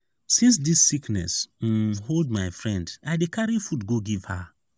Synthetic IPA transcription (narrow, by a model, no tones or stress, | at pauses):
sĩns̬disːiknɛ̰s̩holdmaɪfɹɛ̃ndaɪdekaɹifutɡoɡiv̥ha